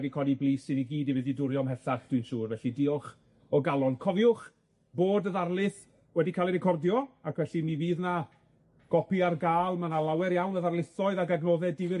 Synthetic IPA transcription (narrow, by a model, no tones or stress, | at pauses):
ɛdikʰɔniblˠiːsɨniɡiːdivɪðidʊɾjɔmɦɛθaχd̥wɨnʃuːrvɛɬidɪɔχ | ɔɡalˠɔnkʰɔvjʊχ | b̥oːdəðarlˠɪθ | wɛdikʰaːlˠiɾɪkʰɔrdjɔakʰvɛɬiniviːðna | ɡ̥ɔpiarɡaːlˠmanalˠawɛɾjawnəðarlˠɪθɔɨðaɡaɡnoːðɛdɪvɪ